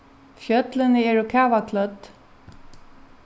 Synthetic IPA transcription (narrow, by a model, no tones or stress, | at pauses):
fjœt̪lɪnəɛːɹʊkʰæːʋakʰlœt̪